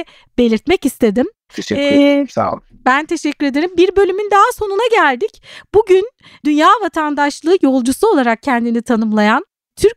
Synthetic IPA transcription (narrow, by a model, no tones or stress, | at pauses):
be̞lʲiɾt̪mɛcist̪ʰe̞d̪imʰ | ʃˠ | bænt̪ʰe̞ʃɛcːyɾe̞d̪e̞ɾimbiɾbø̞lʲymynd̪aɦaso̞nunaɟælʲd̪icbuɟyn | d̪ynjaːvat̪ʰand̪aʃlˠɯːjo̞lˠd͡ʒusuo̞lˠaɾak̚cʰɛnd̪init̪ʰanɯmlˠajan | t̪ʰyɾc